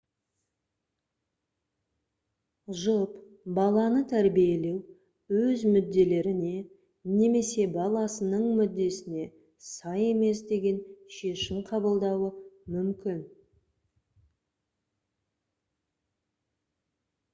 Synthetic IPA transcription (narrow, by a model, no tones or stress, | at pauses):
ʒəp | bɑlˠɑnət̪ʰæɾbije̞le̞w | wɵzmʏd̪ːe̞le̞ɾɪne̞ | ne̞me̞se̞bɑlˠɑsənəɴmʏd̪ːe̞sɪne̞ | sɑje̞me̞sd̪e̞ɡʲe̞nʃe̞ʃɪmqʰɑbəlˠd̪ɑwəmʏmkʲɪn